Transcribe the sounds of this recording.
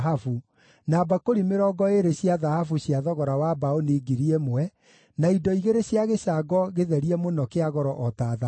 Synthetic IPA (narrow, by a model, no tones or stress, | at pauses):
ɦafu | nabakoɾimeɾɔɡɔeɾeɕjaðahafuɕjaðɔɣɔɾawabaoniɡiɾiɛmwɛ | naidɔiɣeɾeɕjaɣeɕaɡɔɣeðɛɾiɛmonɔkeaɣɔɾɔʔɔtaða